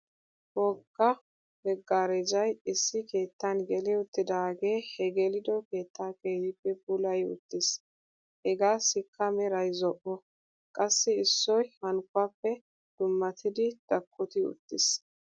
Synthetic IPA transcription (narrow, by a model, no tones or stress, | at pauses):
wɔɡːɐ | bɛɡːaːɾɛd͡ʒɐjɪsːɪke̞ːt̪ːɐnɡɛlɪʊt̪ːɪd̪aːɡe̞ːhɛɡɛlɪd̪ɔke̞ːt̪ːaːkʼejɪpːɛbʊlɐjʊ̰t̪ːɪs | hɛɡaːsɪkʰːɐmɛɾɐjzɔʔɔ | kʼɐsːɪɪsːɔjhɐŋkːʊaːpːɛ | d̪̥ʊmːɐt̪ʰɪd̪ɪd̪̥ɐkʰʼːʊt̪ɪʊ̰t̪ːɪs